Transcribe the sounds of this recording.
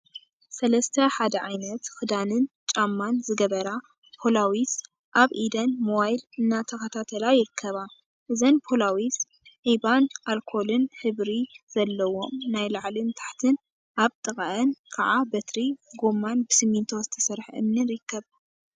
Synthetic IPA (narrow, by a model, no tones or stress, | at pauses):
sɐlɐst̪ʰɐħad̪ɐʕajnɐt̪kɨd̪anɨnt͡ʃʼamːanzɨɡɐβɐɾa | pʰolawis | ʔaβʔid̪ɐnmowajlɨnːat̪ʰɐkɐt̪ʰat̪ʰɐlajɪɾɨkʰːɐβa | ʔɨzɐnpʰolawis | ʕibanʔalkʰo̞lɨnħɨβɾiz̥ɐlːɐwo̞mnajlaʕlint̪ʰḁħt̪ʰɨn | ʔaβt̪ʼɨχʼaʔɐnkʰaʕabɐt̪ɾiɡo̞mːanbɨsɨmːint̪ʰo̞zɨt̪ʰɐ̥sɐɾħʔɨ̰mniɾɨkʰːɐβ